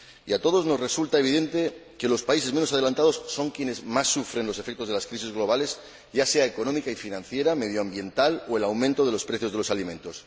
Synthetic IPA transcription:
iat̪o̞ð̞o̞zno̞zresult̪ae̞β̞iðe̞nt̪eke̞lo̞spaise̞zme̞nos̬að̞e̞lant̪aðo̞sːo̞ŋkje̞ne̞zmasːufɾe̞nlo̞se̞fe̞k̚t̪oð̞elaskɾis̬izɣlo̞β̞ale̞z | ɟ͡ʝase̞aeko̞nõ̞mikaifinãn̟θje̞ɾame̞ð̞joambje̞nt̪alo̞e̞lawmẽnt̪o̞ð̞e̞lo̞spɾeθjo̞zðelosalimẽ̞nt̪o̞s

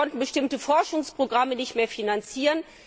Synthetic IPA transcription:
ɔntn̩bəʃtɪmtəfɔɐʃʊŋspʁ̥oɡʁamənɪçtmeːɐfinant͡siːʁən

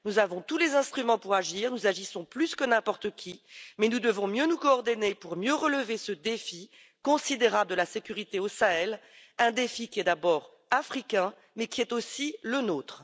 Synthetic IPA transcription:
nuzavɔ̃t̪ulezɛ̃st̪χymɑ̃puʁaʒiːʁnuzaʒisɔ̃plyskənɛ̃pɔʁt̪əkʲʰimɛnud̪əvɔ̃mjønukɔːʁd̪ɔnepuʁmjøʁələvesəd̪efi | kɔ̃sid̪eʁabləd̪əlasekʲyʁit̪eosaɛlɛ̃d̪efikʲiɛd̪abɔːʁ | afχikʲɛ̃ | mɛkʲiɛt̪osilənoːt̪χ

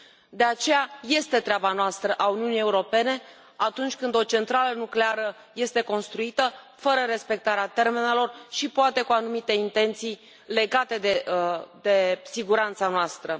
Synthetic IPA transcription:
d̪e̞at͡ʃe̞jaje̞st̪e̞t̪ɾeabanoast̪ɾəʔauniunije̞uɾo̞pe̞ne̞ | at̪unt͡ʃʲkɨnd̪o̞t͡ʃe̞nt̪ɾalənukle̞aɾə | je̞st̪e̞ko̞nst̪ɾuit̪ə | fəɾəɾe̞spe̞k̚t̪aɾeat̪e̞rme̞ne̞lo̞rʃipoat̪e̞kuanumit̪e̞int̪e̞nt̪sij | le̞ɡat̪e̞d̪ed̪e̞siɡuɾant̪sanoast̪ɾə

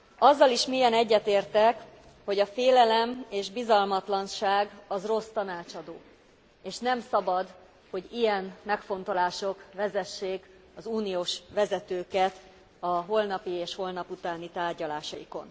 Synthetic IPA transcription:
ɒzːɒliʃmiːjɛnɛɟːɛt̪eːrt̪ɛk | ho̞ɟɒfeːlɛlɛmeːʒbizɒlmɒt̪lɒnʃaːɡɒzro̞st̪ɒnaːt͡ʃɒd̪oː | eːʃnɛmsɒbɒd̪ | ho̞ɟijɛnmɛkfo̞n̪t̪o̞laːʃo̞kvɛzɛʃːeːk | ɒzuːnijoːʃʋɛzɛt̪øːkɛt̪ | ɒɦo̞lnɒpieːʃho̞lnɒput̪aːnit̪aːrɟɒlaːʃɒjḭko̞̰n

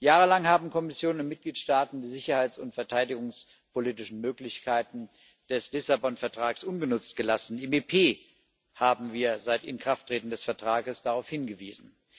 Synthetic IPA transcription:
jaːʁəlaŋhaːbm̩kʰɔmɪsjoːnʊntmɪt̚ɡ̥liːtʃtaːtn̩diːzɪçɐhaɪt͡sʊntfɛɐtʰaɪdɪɡʊŋs | poliːtɪʃn̩møːklɪçkʰaɪtn̩ | d̥ɛslɪsabɔnfɛɐtʁ̥aːksʔʊnɡənʊt͡stɡ̥əlasn̩ɪmepʰeː | haːbm̩viːɐzaɪtɪ̰nkʁ̥aftʁ̥eːtn̩dɛsfɛɐtʁ̥aːɡəsd̥aʁaʊfhɪnɡəviːzn̩

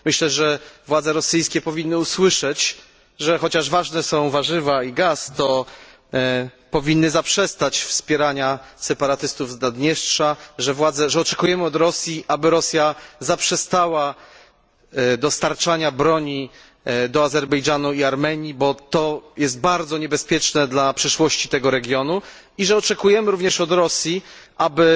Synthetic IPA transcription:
mɘɕlɛʐɛvwad̪zɛɾɔsɘjskʲɛpɔvʲinːɘuswɘʂɛt͡ɕ | ʐɛxɔt͡ɕaʐvaʐnɛsɔ̃w̃vaʐɘvaiɡast̪ɔ | pɔvʲinːɘzapʂɛst̪at͡ɕfspʲjɛɾaɲasɛpaɾat̪ɘst̪uvznad̪ɲɛʂʂaʐɛvwad̪zɛʐɛɔt͡ʂɛkujɛmɘɔd̪ɾɔsʲjiʔabɘɾɔsʲjazapʂɛst̪awa | d̪ɔst̪aɾt͡ʂaɲabɾɔɲi | d̪ɔazɛɾbɛjʐanuiaɾmɛɲibɔt̪ɔjɛst̪̚baɾd̪zɔɲɛbɛspʲjɛt͡ʂnɛd̪lapʂɘʂwɔɕt͡ɕit̪ɛɡɔɾɛɡʲjɔnu | iʐɛɔt͡ʂɛkujɛmɘɾuvɲɛʂɔd̪ɾɔsʲjiʔabɘ

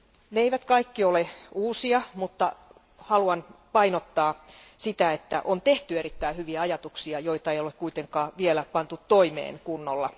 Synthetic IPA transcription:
neeiʋæt̪kɑikːioleuːsiɑmut̪ːɑ | hɑluɑnpɑinot̪ːɑːsit̪æet̪ːæ̰ʔont̪eht̪yeɾit̪ːæihyʋiæɑjɑt̪uksiɑjoit̪ɑejolekkuit̪eŋkɑːʋielæpɑnt̪ut̪ːoimḛːnkunːolːɑ

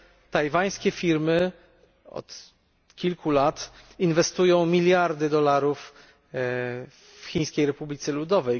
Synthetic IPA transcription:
t̪ajvaj̃skʲɛfʲiɾmɘ | ɔ̰t̪ | kʲilkʰulat̪invɛst̪ujɔ̃w̃mʲilʲjaɾd̪ɘd̪ɔlaɾuf | xʲiɲ̃skʲejɾɛpublʲit̪sɛlud̪ɔvɛj

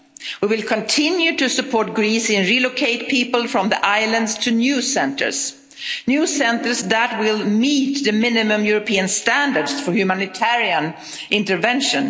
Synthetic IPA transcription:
wiwɪlˠkʰə̃ntʰɪ̃njʉtɨsɨpʰɔːɹt̚ɡɹisɪ̃nɹilokʰeɪt̚pʰiːpəl̩ˠfɹʌ̃mðiʔaɪlə̃ndstʰɨnjʉsɛ̃ntʰə̰˞s | njʉsɛ̃ntə˞sðæt̚wɪlˠmiːt̪ðɨmɪ̃nɪmə̃mjʊɹɔpʰiɨ̃nstæ̃ndə˞dsfɔ˞hjʉmænɪtʰɛɹiə̃n | ʔɪ̃ntəvɛ̃nʃɨ̃n

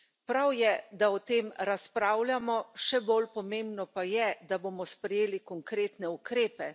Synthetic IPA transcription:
pɾawjɛd̪aɔt̪eːmɾaspɾawljamɔʃɛbolpɔmeːmbnɔpajɛd̪aboːmɔspɾɛjeːlikɔŋkɾeːt̪nɛukɾeːpɛ

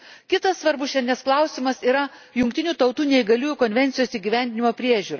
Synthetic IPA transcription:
kʲɪt̪ɐsːʋɐɾbʊʃʲɛnʲnʲɛsklˠɐʊsʲɪmɐsiːɾɐ | jʊŋk̚ʲt̪ʲɪnʲuːt̪ɒʊt̪uːnʲɛɪɡɐlʲuːjukonʲʋʲɛnt̪sʲɪjoːsiːɡʲiʋʲænʲd̪ʲɪnʲɪmoːpʲɾʲiɛʒʲuːɾɐ

